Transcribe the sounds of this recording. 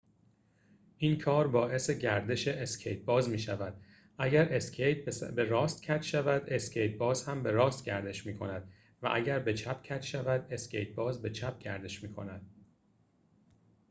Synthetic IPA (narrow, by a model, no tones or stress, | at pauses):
ʔiːnkʰɒːɾbɒːʔe̞se̞ɟæɾd̪e̞ʃe̞ʔescʰejt̪̚bɒːzmiːʃævæd̪̥̚ | ʔæɟæɾʔe̞skʰejt̪̚ʰbe̞ɾɒːst̪cʰæt̪ʰʃævæd̪e̞scʰejt̪̚bɒːzhæmbe̞ɾɒːst̪ɟæɾd̪e̞ʃmiːkʰo̞næd̪̚ | væ̰ʔæɟæɾbet͡ʃʰæpʰcʰæt̪ʃævæd̪e̞scʰḛjt̪̚bɒːzbe̞t͡ʃʰæp̚ɟæ̰ɾd̪e̞ʃmiːkʰo̞̰næd̪̥̚